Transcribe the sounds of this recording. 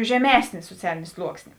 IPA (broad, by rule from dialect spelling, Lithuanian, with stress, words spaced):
ʒʲɛˈmʲæːsʲnʲeː suɔˈt͡sʲæːlʲɪnʲeː ˈslˠuɔksʲnʲeː